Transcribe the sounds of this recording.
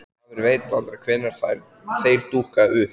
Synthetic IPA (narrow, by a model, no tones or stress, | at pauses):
vɪɾvejt̪palk̪ɾakʰvɛːnaɾ̥θajɾ | θeːjɾ̥t̪uːhkaʏ